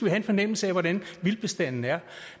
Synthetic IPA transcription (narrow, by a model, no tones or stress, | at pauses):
ʋiɦæe̝nfɒ̽nem̰l̩səɛʋɒɾænʋilb̥e̝sd̥æn̰n̩æɐ